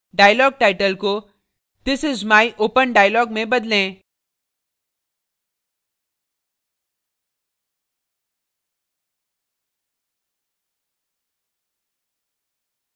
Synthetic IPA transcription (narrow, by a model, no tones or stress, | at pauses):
ɖaːjlɔːɡ̚ʈaɪʈəlko | d̪ɪsɪzmajʔoːpənɖaːjlɔːɡmẽbɐd̪lẽː